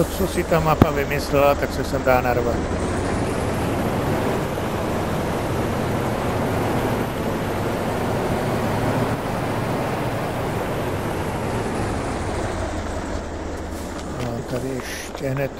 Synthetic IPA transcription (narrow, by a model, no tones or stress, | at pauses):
ot͡sosɪt̪amapavɪmɪslɛlat̪aksɛsɛmdaːnaɾvat̪ | at̪adɪɛʃ | cɛɦnɛt̪